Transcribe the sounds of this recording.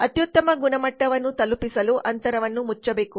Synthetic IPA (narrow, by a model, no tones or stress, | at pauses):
ɐt̪jut̪ːɐmɐɡunɐmɐʈːɐʋɐnːut̪ɐlupisɐluʔɐnt̪ɐɾɐʋɐnːumut͡ʃːɐbeːku